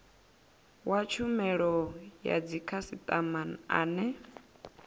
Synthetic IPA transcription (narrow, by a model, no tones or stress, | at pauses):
wat͡ʃʰumɛɺɔja̰d͡zikʰasit̪ʼamana̰ːnɛ